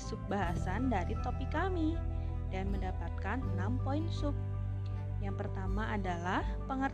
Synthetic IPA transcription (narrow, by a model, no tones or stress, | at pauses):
sup̚baɦasandaɾit̪opikami | danməndapat̪̚kannampoinsʊp̚ | jaŋpərt̪amaʔadalahpəŋər